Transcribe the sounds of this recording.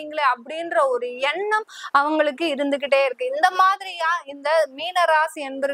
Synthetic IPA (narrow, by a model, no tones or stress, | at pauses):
iŋɡɐɭeɐpːɐɽɪnɾɐɔɾɯɛɳːɐmɐʋɐŋɡɐɭɯkːɯɪɾɯnd̪ɯk̬ːɪʈːeːɪɾɯkːɯɪnd̪ɐmaːðɪɾijãːɪnd̪ɐmiːnɐɾaːsɛnbɐɾɯ